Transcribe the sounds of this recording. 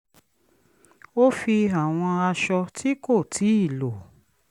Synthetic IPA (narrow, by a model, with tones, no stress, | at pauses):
o˦fi˧a˨w̃ɔ̃˧a˧ʃɔ˧tʰi˦ko˦˨tʰi˨˦i˦˨lo˨